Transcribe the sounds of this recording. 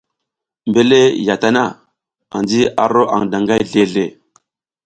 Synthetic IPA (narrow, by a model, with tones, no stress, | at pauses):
mbe˦le˦ja˨ta˦na˦˨ | a̰˨nd͡ʒi˦a̰˨ɾo˦ʔa̰˨ŋda˨ŋɡa˦jɮe˦ɮe˨